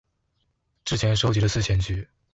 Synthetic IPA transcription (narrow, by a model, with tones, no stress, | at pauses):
ʈ͡ʂɻ̩˥t͡ɕʰjɛ˧˥nʂo˥ʊt͡ɕi˧˥də˧sɹ̩˥˩ɕʰjɛ˧˥nt͡ɕy˧˥